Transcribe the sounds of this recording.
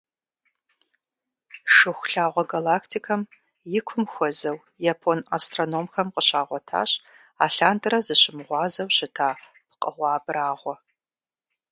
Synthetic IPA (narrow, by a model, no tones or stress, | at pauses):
ʂɨxʷɬaːʁʷɔɡalaːkʰtʰikʰɐm | jɪkʷʰʊmxʷɔzɐw | japʰonastronoːmxɐmqəɕaːʁʷɔtʰa̰ːɕ | a̰ːɬaːntʰʼɨɾɐzɨɕɪmʁʷɑːzɐwɕɪtʰaː | pʰqʼə̰ʁʷɑːbraːʁʷɔ